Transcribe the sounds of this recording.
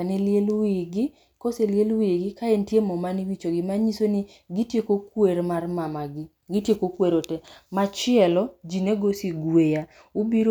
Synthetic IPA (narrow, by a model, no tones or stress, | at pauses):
kanelelwiɡɪ | koseljelwiɡɪkaentjemɔmaniwit͡ʃoɡɪmaɲisoni | ɡitjekokweɾmarmamaɡɪ | ɡɪtjekokweɾotɛmat͡ʃɪɛlɔd͡ʒineɡosiɡweja | ubiɾo